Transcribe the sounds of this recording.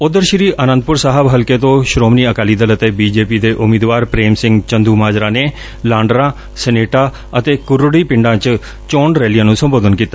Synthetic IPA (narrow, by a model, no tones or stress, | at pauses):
ʊd̪əɾʃɾiːʔəːnənd̪̚pʊɾsaːɦəbɦəlkeːt̪õːʃɾoːmniːəkaːliːd̪ələt̪eːbiːd͡ʒeːpiːd̪eːʔʊmeːd̪ʋaːɾpɾeːmsɪ̃ŋɡt͡ʃənd̪uːmaːd͡ʒɾãːneː | laːɳɖɾãː | sɛneːʈaː | ət̪eːkʊɾoɽiːpɪ̃ɳɖãːt͡ʃ | t͡ʃoːɳɖɾɛːlijãːnũːsəmboːd̪ənkiːt̪ːaː